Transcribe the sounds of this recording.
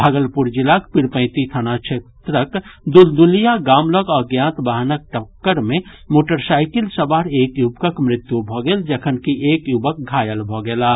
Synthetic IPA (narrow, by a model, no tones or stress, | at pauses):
bʱaɡəlpuɾd͡ʒɪlakpɪɾpə̃ɪt̪it̪ʰənat͡ʃʰet̪ɾəkd̪uld̪ulijaɡaːmləɡɔːɾɡjãːnt̪baɦnək̚ʈəkːəɾmẽ | moːʈəɾsaːɪkɪlsəbaːɾeːkjubkəkmɾɪt̪jubʱɔɡeld͡ʒəkʰənkiʔeːkjubək̚ɡʱaːjəlbʱɔɡelaː